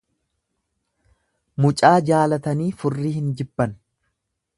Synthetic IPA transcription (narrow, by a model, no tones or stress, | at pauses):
mʊt͡ʃʼaːd͡ʒaːlɐt̪ɐniːfʊrːiːhɪnd͡ʒɪbːɐn